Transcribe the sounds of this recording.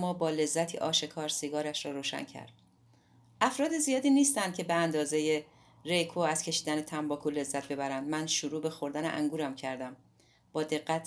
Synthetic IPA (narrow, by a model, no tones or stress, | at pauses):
mːɒːbɒːle̞zːæt̪ʰḭːʔɒ̰ːʃe̞kʰɒːɾsiɡɒːɾæʃɾɒːɾoːʃæ̰ncʰæ̰ɾd̪̥ | ʔæfɾɒːd̪ezijɒːd̪iːniːst̪ænd̪̥̚cʰʲe̞beænd̪ɒːze̞je | re̞jkʰoæz̥cʰe̞ʃiːd̪æne̞t̪ʰæmbɒːkʰole̞zːæt̪̚be̞bæɾænd̪mænʃuɾuːbe̞xo̞ɾd̪ænḛʔæ̰ŋɡuːɾæmcʰæɾd̪æm | b̥ɒːd̪e̞ɢːæt̪ʰ